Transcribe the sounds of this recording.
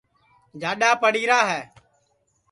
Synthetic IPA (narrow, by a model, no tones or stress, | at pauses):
d͡ʒaːɗaːpəɽiːɾaːɦɛː